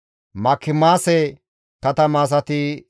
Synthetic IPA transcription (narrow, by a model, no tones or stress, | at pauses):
mɐkʰːɪmaːsɛ | kɐt̪ɐmaːs̬ɐt̪ɪ